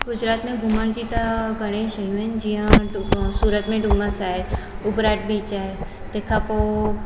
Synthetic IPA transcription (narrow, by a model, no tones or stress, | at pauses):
ɡʊd͡ʒɾaːt̪mẽɡʱʊmand͡ʒit̪aɡəɽ̃eiʃəɦjũɦənd͡ʒijãsuːɾət̪mẽɖumãsaːɦeʊbɾaːʈ̚bit͡ʃaːɦe | t̪eːkʰapo